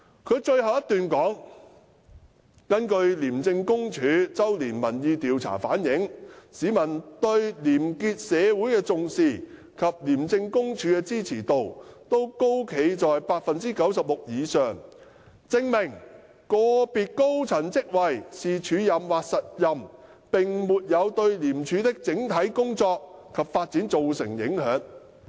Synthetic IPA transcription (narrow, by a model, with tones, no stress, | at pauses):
kʰɵ˨˧ɥt͡ʃɵ˧ɥɦɐ˨˩wjɐ˥t̪yː˨nkɔː˨˥ŋ | kɐ˥nkɵ˧ɥliː˨˩mt͡sɪ˧ŋkʊ˥ŋt͡ʃʰyː˨˧t͡sɐ˥wliː˨˩nmɐ˨˩njiː˧t̪iː˨wt͡sʰa̰ː˨˩fa̰ː˨˥njɪ˨˥ŋsiː˨˧mɐ˨˩nt̪ɵ˧ɥliː˨˩mkiː˧t̚sɛː˨˧wu˨˥jkɛː˧t͡sʊ˨ŋsiː˨˩ | kʰɐ˨p̚liː˨˩mt͡sɪ˧ŋkʊ˥ŋt͡ʃʰyː˨˧kɛː˧t͡siː˥t͡sʰiː˨˩t̪o˨wt̪o˥wko˥wkʰe˨˧jt͡sɔː˨jpaː˧k̚fɐ˨nt͡siː˥kɐ˨˥wsɐ˨p̚lʊ˨k̚jiː˨˧sœː˨˩ŋ | t͡sɪ˧ŋmɪ˨˩ŋ | kɔː˧piː˨t̚ko˥wt͡sʰɐ˨˩nt͡sɪ˥k̚wɐ˨jsiː˨t͡ʃʰyː˨˧jɐ˨mwaː˨k̚sɐ˨t̚jɐ˨mpɪ˨ŋmuː˨t̚jɐ˨˧wt̪ɵ˧ɥliː˨˩mt͡ʃʰyː˨˧˥t̪ɪ˥k̚t͡sɪ˨˥ŋt̪ʰɐ˨˥jkʊ˥ŋt͡sɔː˧k̚kʰːɐ˨p̚faː˧t̚t͡si˨˥nt͡so˨wsɪ̰˨˩ŋjɪ̰˨˥ŋhœː˨˧˥ŋ